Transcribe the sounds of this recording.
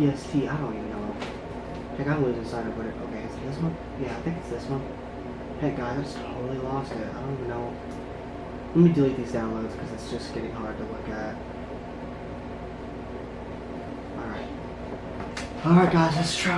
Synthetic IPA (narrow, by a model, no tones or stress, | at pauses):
jɛstʰiaɪɾõʊ̃nivɨ̃nːoʊ | pʰɛ̃ɪkãɪ̃wizɨ̃nsãɪ̃ɾʌvwʌɾɨɾoʊkʰeɪɨs̚ðɪsmʌ̃nθ | jæaɪθɪ̃ŋkɨtsðɪsmʌ̃nθ | pʰɛɡ̥aɪḁʒ̥ʌstʰoʊɾl̩ˠilɔstɪt̚aɪɾõʊ̃nivɨ̃nːoʊ | lɛt̚midʉðizdãʊ̃nloʊdz̥kʰʌzɨtsd̥ʒ̥ʌsɡ̥ɛɾɪ̃ŋhɑɹd̚tʰəlʊkɨt̚ | ʔɔ̰lˠɹaɪt̚ | ɔlˠɹaɪt̚ɡ̥aɪd͡ʒʌstʰɹ̥